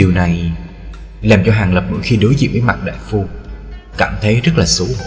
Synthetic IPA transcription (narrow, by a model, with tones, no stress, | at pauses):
ɗi˨˩wna˨˩j | laː˨˩mt͡ɕɔ˧ɦaː˨˩ŋlə˨˩p̚ɗɔ̰˧˥jxi˧ɗu˨˦jzḭ˧˨nvəː˨˦jma˨˩t̚ɗa̰ː˧˨jfu˧kaː˧˩mt̪ʰə˨˦jzə˦˥t̚laː˨˩su˨˦